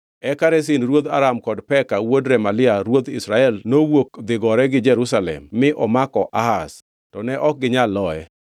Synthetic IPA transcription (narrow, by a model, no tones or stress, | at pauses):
ɛkaɾɛs̬ɪnɾwod̪aɾamkɔdpɛkawodɾɛmalɪaɾwod̪ɪ̰sɾaɛlnowok̚d̪ɪɡɔɾɛɡɪd͡ʒɛɾusalɛ̰mːɪʔɔmakɔʔahas | tɔnɛʔɔk̚ɡɪɲalːɔɛ̰